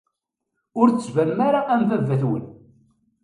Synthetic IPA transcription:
ʊɾt͡sːəzvæɾmaɾaʔæmvævːæθwə̰n

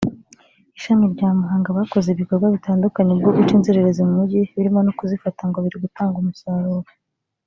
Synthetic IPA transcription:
iʃamiɾɟaːmuɦaːŋɡaβako̞zeβiko̞ɾɡwaβitaːndukaɲeb̚ɡoɡut͡ʃiːnzeɾeɾezemumuɟiβiɾimo̞nokuzifataŋɡoβiɾeɡutaːŋɡumusaːɾuɾa

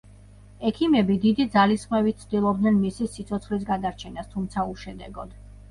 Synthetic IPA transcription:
ɛkʰimɛbid̪id̪id̪zalisχmɛvit̪̚t̪sʰd̪ilˠɔb̚d̪nɛnmisisit̪sʰɔt̪sʰχlis̬ɡad̪aɾt͡ʃʰɛnast̪ʰumt̪sʰauʃɛd̪ɛɡɔd̪̥

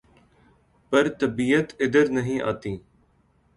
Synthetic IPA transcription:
pəɾt̪əbiːət̪ɪd̪əɾnəɦĩːʔa̰ːt̪iː

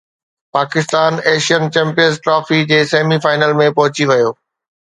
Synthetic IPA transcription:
paːkɪst̪aːneːʃijənt͡ɕɛ̃ːmpijə̃nzʈɾɔːfid͡ʑeːseːmifaːɪnəlmẽpɐɦʊt͡ɕiʋɐjoː

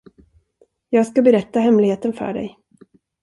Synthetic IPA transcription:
jɑːɡskabɛɾɛt̪ːaɦɛmlɪɡheːt̪ənfœ̰ːɖɛ̰j

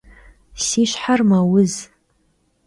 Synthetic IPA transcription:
siʃħarmawʊz

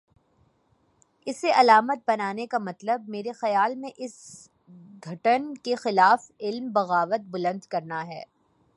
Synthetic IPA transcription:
ɪseʔɐlaːmət̪̚bɐnaːnekamɐt̪ləb̚meːɾexɐjaːlmẽʔɪs | ɡʱɐʈənkexɪlaːfɪlmbɐɣaːʋət̪̚bʊlə̃nd̪kɐɾnaɦɛ̰ː

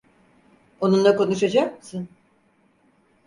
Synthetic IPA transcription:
o̞nunlˠako̞nuʃad͡ʒak̚mɯsɯn

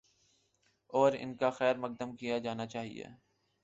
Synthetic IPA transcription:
ɔːɾɪ̰nkaxɛːɾmɐk̚d̪əmkijad͡ʒaːnat͡ʃaːɦḭjḛː

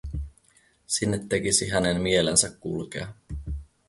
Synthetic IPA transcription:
sinːe̞t̪ːe̞kisiɦæne̞nmie̞lensækːulkḛɑ

